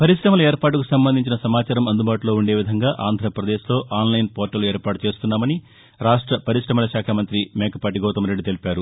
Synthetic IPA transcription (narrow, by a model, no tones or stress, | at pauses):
pɐɾiʂɾɐmɐlɐeːɾpaːʈ̬ukusɐmbɐnd̪ʱiɲt͡ʃinɐsɐmaːt͡ʃaːɾɐmɐnd̪ubaːʈulo̞ːuɳɖe̞ːʋid̪ʱɐŋɡaːʔaːnd̪ʱɾɐpɾɐd̪eːʃlo̞ːʔaːnlɐjnpoːɾʈːɐlue̞ːɾpaːʈut͡ʃeːst̪unːaːmɐni | ɾaːʂʈɾɐpɐɾiʂɾɐmɐlɐʃaːkʰaːmɐnt̪ɾimeːkɐpɐʈiɡɔːt̪ɐmɾe̞ɖːit̪e̞lipaːɾu